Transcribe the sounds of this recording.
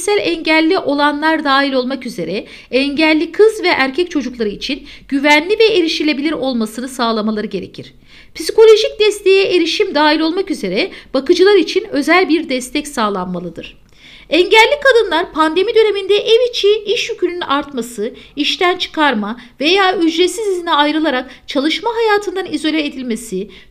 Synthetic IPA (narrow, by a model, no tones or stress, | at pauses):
sælʲɛɲɟælʲːiʔo̞lˠanlˠaɾd̪aːɦilʲo̞lˠmakyze̞ɾɛ | ɛɲɟælʲːikʰɯzvɛʔæɾcʰɛc̚t͡ʃʰo̞d͡ʒuklˠaɾɯit͡ʃʰinɟ̥yvænlʲivɛeɾiʃilʲe̞bilʲiɾo̞lˠmasɯnɯsaːlˠamalˠaɾɯɟe̞ɾe̞̰cʰiɾ̝̥ | pʰi̥siko̞lʲo̞ʒic̚d̪ɛst̪ʰe̞jɛʔeɾiʃimd̪aːɦilʲo̞lˠmakyze̞ɾɛb̥akɯd͡ʒɯlˠaɾit͡ʃʰinø̞zælʲbiɾd̪ɛst̪ʰɛcsaːlˠanmalˠɯd̪ɯɾ̥ | ɛɲɟælʲːikʰad̪ɯnlˠaɾpʰand̪e̞mid̪ø̞ne̞mind̪ɛʔɛvit͡ʃʰiʔiʃjycʰynynaɾt̪masɯiʃt̪ʰænt͡ʃʰɯ̥kʰaɾmave̞jaːyd͡ʒɾesizizinɛajɾɯlˠaɾak̚t͡ʃʰalˠɯʃmaɦajaːt̪ʰɯnd̪anizo̞lʲeed̪ilʲme̞si